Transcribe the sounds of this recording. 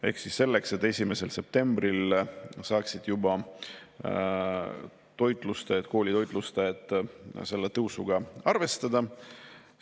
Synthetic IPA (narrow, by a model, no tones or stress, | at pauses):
e̞̰hksisːe̞lːe̞kse̞t̪ːˑe̞sʲime̞se̞lse̞p̚t̪e̞mb̥rilsɑːksid̪̥jubɑ | t̪o̞jt̪ˑlust̪ɑjet̪̚ko̞ːlʲit̪o̞jt̪ˑlust̪ɑjed̪ˑse̞lːe̞t̪ɤwsuɡ̥ɑɑrve̞st̪ɑd̪̥ɑ